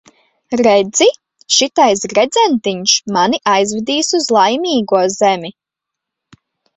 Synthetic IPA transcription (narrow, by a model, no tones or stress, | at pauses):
ɾed̪zi | ʃit̪ajs̬ɡɾed̪zɛnt̪iɲʃmaniʔajzvɛd̪iːsuzlˠajmiːɡuɔzemʲi